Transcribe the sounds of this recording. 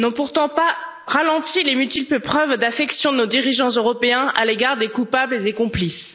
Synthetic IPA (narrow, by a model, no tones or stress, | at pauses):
nɔ̃puʁt̪ɑ̃pa | ʁalɑ̃t̪ilemyt̪ipəpχœvd̪afɛksjɔ̃d̪ənod̪iʁiʒɑ̃zøʁɔpeɛ̃a̰leɡaʁd̪ekupablezekɔ̃plis